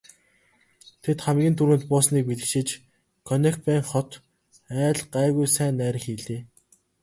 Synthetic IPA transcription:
t̪ʰet̪χæmɡʲiːnt̪ʰuɾɘ̆nt̪̚pʊːsniːk̚piɮɘ̆kʃɪ̆t͡ɕ | kʰɔnʲekpæːŋχɔt̪ | æːɮɢæːɣujsæːnːæːɾ̆xiːɮeː

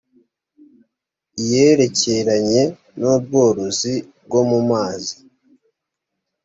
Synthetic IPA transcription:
ije̞ɾe̞ce̞ɾaɲe̞ | nob̚ɡo̞ːɾozib̚ɡo̞mumaːzi

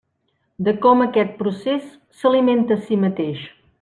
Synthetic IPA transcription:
d̪əkɔməkɛt̪̚pɾusesː | əliment̪əːsimət̪eʃ

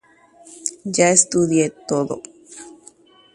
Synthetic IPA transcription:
d͡ʒaest̪ud̪jet̪oðo̰

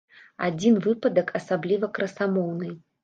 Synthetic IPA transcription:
a̰d͡zʲinvɨpɐd̪ɐkʰɐsablʲivɐkɾɐsamɔwnɨ

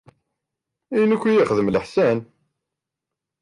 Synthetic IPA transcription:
inəkʷːijiχəðəmləħsæn

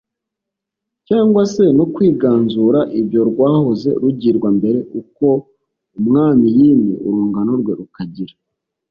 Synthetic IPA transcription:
caːŋɡwase̞nokwiːɡaːnzuɾaʔibjo̞ɾɡwaːhoze̞̰ɾuɟiɾɡwambe̞ɾe̞ʔuko̞ | umŋaːmijiːnḭṵɾuːŋɡanoɾɡwe̞ɾukaɟiɾa

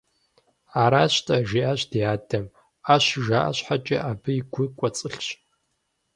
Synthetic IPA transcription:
aːɾaːɕtʰʼɐʒiʔaɕd̥ijaːdɐm | aːɕʒaːʔa̰ɕħat͡ʃʼɐ̰ʔaːbɨjiɡʷʊkʷʼɔt͡sʼɨɬɕ

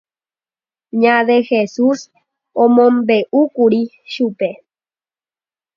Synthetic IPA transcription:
ɲãðexesus | omõmbeʔukuɾi | ʃupe

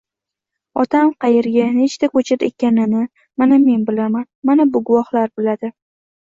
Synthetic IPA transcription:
ɒt̪ʰamqʰɑjeɾɡʲane̞t͡ʃt̪akɵt͡ʃʰaɾḛkʲanɪnɪ | maname̞nbɪlamanmanabʊɡʊwɒhlaɾbɪlad̪ɪ

